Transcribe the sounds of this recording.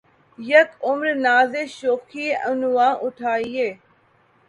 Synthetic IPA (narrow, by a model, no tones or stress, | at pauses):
jəkʊmɾnaːzeʃoːkʰiːənuwãːʔʊʈʰaːieː